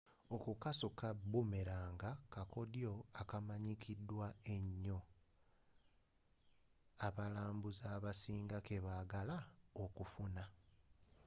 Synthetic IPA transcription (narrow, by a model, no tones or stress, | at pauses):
okukasukabume̞ɾaːŋɡakako̞djo̞akamaɲikʰidːwae̞ɲːo̞ | aβalaːmbuzaːβasiːŋɡake̞βaːɡalaokufuna